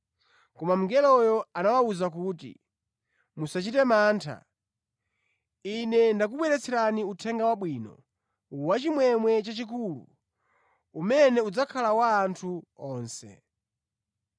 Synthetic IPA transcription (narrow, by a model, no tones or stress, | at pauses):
kɔmam̩ŋɡɛlɔjɔanawauzakuːtḭ | musat͡ʃitɛmaːntʰa̰ | inɛndak̬uɓwɛɾɛt͡sʰɛɾaniutʰɛŋɡawaɓwiːnɔ̰ | uwat͡ʃimwɛmwɛt͡ʃat͡ʃik̬ulṵ | umɛnɛud͡zakʰalawaːntʰuɔːnsɛ̰